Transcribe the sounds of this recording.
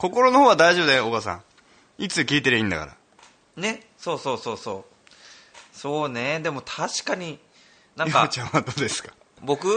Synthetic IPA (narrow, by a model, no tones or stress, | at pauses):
ko̞ko̞ɾo̞nohoːβad̪aiʑobɯd̪eoɡasã̰ | it͡sɨkʲiːt̪eɾɯ̟ĩnd̪a̰ka̰ɾa̰ | ne̞ | so̞ːso̞ːso̞ːsoː | so̞ːne̞d̪e̞mo̞t̪ʰaɕi̥kaɲ̟i | nãŋkaat͡ɕãɰ̃βad̪oːd̪e̞sɨ̥kḁ | bo̞kɯ̟